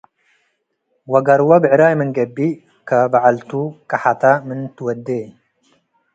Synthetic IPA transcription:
wɐɡɐɾwɐbɨʕɨɾajmɨnɡɐbːi | kʰɐbaʕalt̪ʰukʰʼɐħat̪ʰamɨnt̪ɨwɐd̪ːe

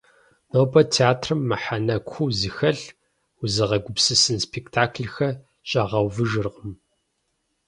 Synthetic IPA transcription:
noːbɐtʰeaːtʰrɨmːɐħanɐkʷxʷuːzɨxɐɬ | uzɨʁɐɡʷʊpsɨsɨnspʰektʰaːkʰɮxɐ | ɕʼɐʁɐwvɨʒɨrqəm

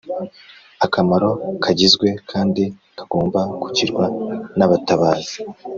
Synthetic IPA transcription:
akamaɾo̞kʰaɟizɡwe̞kʰaːndi | kaɡ̥o̞ːmbaɡuciɾɡwanaβataβaːz̥i̥

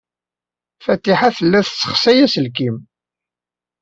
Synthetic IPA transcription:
fæt̪ːiħaθəlːæθsːə̥χsæjæsəlkim

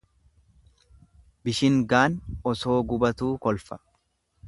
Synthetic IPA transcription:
bɪʃɪŋɡaːnɔso̞ːɡʊbɐt̪uːkɔlfɐ̥

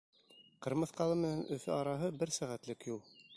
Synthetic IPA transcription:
qɤ̆ɾmɤθqɑlˠɤmɘ̆nænʔɵ̆fɘʔɑɾɑɦɤbɘɾsæʁæt̪lɘkjulˠ

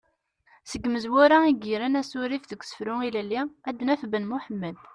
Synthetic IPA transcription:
səɡməzwʊɾaiɡiɾænæsʊɾifðəɡʷsə̥fɾʊilælːiæd̪ːnæfbənmʊħəmːəd̪

